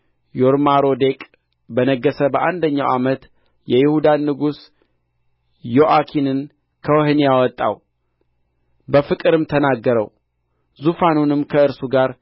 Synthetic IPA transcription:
joɾmaɾo̞d̪e̞kʼ | bənəɡːəsəbəʔand̪əɲːawʔamət̪ | jɛjɪhud̪anːɨɡus | jo̞ʔakʰinɨn | kʰəwhnijawɔt̪ʼːa̰w | bəfɨkʼɨɾɨmt̪ʰənaɡːəɾə̰w | zufanunɨmkʰəɨɾsuɡaɾ

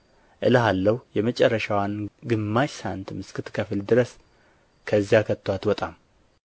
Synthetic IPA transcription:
ʔɨləɦalːəhjɛmət͡ʃʼɛrːəʃawanɡɨmːaʃsant̪mɨskʰɨt̪kʰəfɨld̪ɨɾəs | kʰəzːjakʰət̪ʰːwat̪wɔt̪ʼam

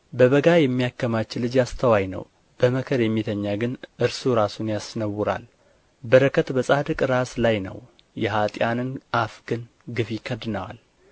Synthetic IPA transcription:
bəβəɡajɛmːijakːəmat͡ʃːɪlɨd͡ʒjast̪ʰəwajnə̰w | b̥əməkʰəɾjɛmːit̪ʰəɲːaɡɨnʔɨɾsuɾasunjasnəwuɾa̰l | bəɾəkʰət̪bəsʼad̪ɨkʼɾaslajnə̰w | jɛɦat̪ʼjanɨnʔafɡɨn | ɡɨfikʰəd̪ɨnəwa̰l

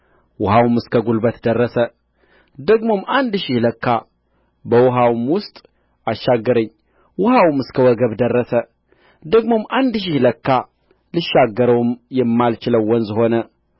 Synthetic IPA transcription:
wʊhawmɨskʰəɡulbət̪d̪ərːəsə | d̪əɡmo̞mand̪ʃɪhləkːa | bəwʊɦawmwʊst̪ʼ | aʃːaɡːəɾəɲː | wʊhawmɨskʰəwɔɡəβd̪ərːəsə | d̪əɡmo̞mʔand̪ʃ̬ɪhləkːa | lɨʃːaɡːəɾəwmjɛmːalt͡ʃɪləwːɔnzho̞nə

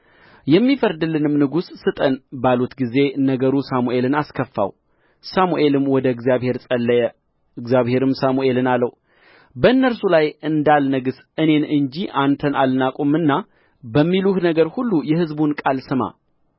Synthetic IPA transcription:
jɛmːifəɾd̪ɨlɨnɨmnɨɡusːɨt̪ʼənbalut̪ɡize̞nəɡəɾusamuʔe̞lɨnaskʰəfːa̰w | samuʔe̞lɨmwɔd̪əɨɡzjaβhe̞ɾsʼəlːəjɛ | ɨɡzjaβhe̞ɾɨmsamuʔe̞lɨnalːəw | bəɨnːəɾsulajɨnd̪alnəɡɨs | ɨne̞nɨnd͡ʒiʔant̪ʰənʔalnakʼomɨnːa | bəmːiluhnəɡəɾhulːujɛhɨzbunkʼalsɨma̰

